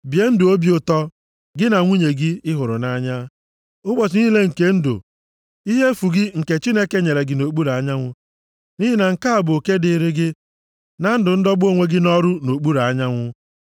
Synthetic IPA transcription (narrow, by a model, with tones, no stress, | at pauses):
bje˦n̩˦dʊ˨o˦bjʊ˨tɔ˦ | ɡɪ˦na˨ŋʷu˦ɲe˨ɡɪ˦ɪ˦ɦʊ˨ɾʊ̰˨na˦ɲa˦ | ʊ˦ɡ͡bɔ˨t͡ʃɪ˨˦ni˦i˦le˦ŋ̩˨ke˦n̩˦dʊ̰˨ | i˦ɦe˦fu˨ɡɪ˦ŋ̩˨ke˨t͡ʃi˦ne˦ke˦ɲe˨ɾe˨ɡɪ˨no˨k͡pu˦ɾa˨˦ɲa˦ŋʷʊ˦ | ni˦ɦɪ˦na˨ŋ̩˨ka˦a˨bʊ˨o˨ke˦dɪ˨ɾɪ˦ɡɪ˦ | na˨n̩˦dʊ˨n̩˦dɔ˦ɡ͡bo˦˨ŋʷe˦ɡɪ˦nɔ˦ɾʊ˦no˨k͡pu˦ɾa˨˦ɲa˦ŋʷʊ˦